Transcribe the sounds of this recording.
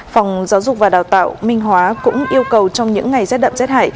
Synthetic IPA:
fɔ˨˩wŋ͡mzaː˨˦wzʊ˨˩k͡p̚vaː˨˩ɗaː˨˩wt̪a̰ː˧˨wmï˧ŋ̟ɦwaː˨˦kʊ̰˧˥ŋ͡mʔi˧əwkə˨˩wt͡ɕɔ˧wŋ͡mɲɨ̰˧˥ŋːa˨˩jsɛ˦˥t̚ɗə̰˧˨msɛ˦˥t̚ha̰ː˧˨j

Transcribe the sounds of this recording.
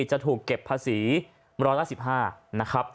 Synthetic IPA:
t͡ɕa˨˩t̪ʰuː˨˩kːe˨˩pʰːaː˧siː˩˦ | ɾɔː˦˥jlaː˥˩si˨˩p̚ɦaː˥˩na˦˥kʰɾa˦˥p̚

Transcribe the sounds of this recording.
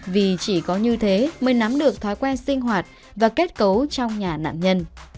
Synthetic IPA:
vi˨˩t͡ɕi˧˩kɔ˨˦ɲɨ˧t̪ʰe˨˦mə˨˩˦jna˨˦mɗɨ˨˩ək̚t̪ʰaː˨˦jkwɛː˧nsï˧ŋ̟ɦwaː˨˩t̚ | vaː˨˩ke˦˥t̚kə˨˦wt͡ɕɔ˧wŋ͡mɲaː˨˩na̰ː˧˨mɲə˧n

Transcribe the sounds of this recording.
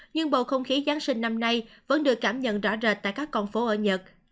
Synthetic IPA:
ɲɨ˧ŋɓo̰˧˨xə˧wŋ͡mxi˨˦zaː˨˦nsï˧ŋ̟na˧mna˧jvə̰˧˥nɗɨ˨˩əkːaː˧˩mɲə̰˧˨nzɔ̰˧˩zəː˨˩t̚t̪a̰ː˧˨jkaː˦˥kːɔ˧nfo˨˦ʔəː˧˩ɲə˨˩t̚

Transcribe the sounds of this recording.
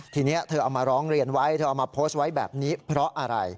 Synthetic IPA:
t̪ʰiː˧ni˦˥ɐt̪ʰɤː˧a˧wmaː˧ɾɔː˦˥ŋɾi˧ənwa˦˥jt̪ʰɤː˧ʔa˧wmaː˧pʰoː˦˥st̪̚wa˦˥jbɛ̰ː˨˩p̚niː˦˥pʰɾɔ˦˥ʔa˧ɾa̰˧j

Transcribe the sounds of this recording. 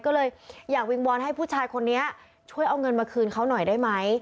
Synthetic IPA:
kɔː˥˩lɤː˧jjaː˨˩k̚wi˧ŋwɔː˧nɦa˥˩jpʰuː˥˩t͡ɕʰaː˧jkʰo˧nːi˦˥ɐ | t͡ɕʰu˥˩əjʔa˧wŋɤ˧nmaː˧kʰɯː˧nkʰa˦˥wnɔ˨˩jdaː˥˩jma˦˥j

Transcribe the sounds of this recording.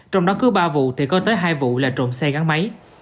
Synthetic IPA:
t͡ɕɔ˧wŋ͡mɗɔ˨˦˥kɨ˨˦ɓaː˧vṵ˧˨t̪ʰi˨˩kɔ˨˦t̪əː˨˦jɦaː˧jvṵ˧˨laː˨˩t͡ɕo̰˧˨nsɛ˧ɣa˨˦ŋma˨˦j

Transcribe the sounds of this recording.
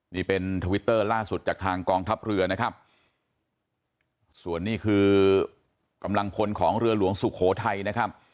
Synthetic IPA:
niː˥˩pe˧nt̪ʰa˧wi˦˥t̪ːɤː˥˩laː˥˩su˨˩t͡ɕaː˨˩k̚t̪ʰaː˧ŋkɔː˧ŋt̪ʰa˦˥p̚ɾɯ˧ɐna˦˥kʰa˦˥p̚ | su˨˩ənːiː˥˩kʰɯː˧ | ka˧mla˧ŋpʰo˧nkʰɔː˩˦ŋɾɯ˧ɐlu˨˩˦əŋsu˨˩kʰoː˩˦t̪ʰa˧jna˦˥kʰa˦˥p̚

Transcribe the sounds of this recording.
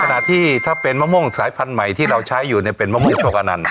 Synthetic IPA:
kʰa˧na̰˨˩ʔt̪ʰːiː˥˩t̪ʰaː˥˩pe˧nma˥˩mo˥˩ŋsaː˩˦jpʰa˧nma˨˩jt̪ʰiː˥˩ɾa˧wt͡ɕʰa˦˥jːuː˨˩ni˥˩pe˧nma˦˥˩mu˥˩ŋt͡ɕʰoː˧˩k̚ʔa˧na̰˧n

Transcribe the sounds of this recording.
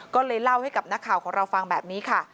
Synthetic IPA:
kɔː˥˩lɤː˧jla˥˩wha˥˩jka˨˩p̚na˦˥kʰaː˨˩wkʰɔː˩˦ŋɾa˧wfa˧ŋbɛː˨˩p̚niː˦˥kʰa˥˩

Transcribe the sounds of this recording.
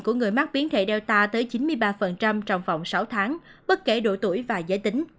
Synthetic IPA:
ku˧˩əŋɨ˨˩əjma˦˥k̚ɓi˨˦ənt̪ʰḛ˧˩ɗɛ˧wt̪aː˧t̪əː˨˦jt͡ɕi˨˦nmɨ˧əjɓaː˧fə˨˩nt͡ɕa˧mt͡ɕɔ˧wŋ͡mva̰˧˨wŋ͡msa˨˦wt̪ʰaː˨˦ŋɓə˦˥t̚ke˧˩ɗo̰˧˩t̪u˧˩əjvaː˨˩zəː˨˦jt̪ï˨˦ŋ̟

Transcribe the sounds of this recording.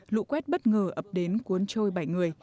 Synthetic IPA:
lṵ˧˨kwɛ˦˥t̚ɓə˦˥t̚ŋəː˨˩ʔə˨˩p̚ɗe˨˦nku˨˦ənt͡ɕo˧jɓa˧˩jŋɨ˨˩əj

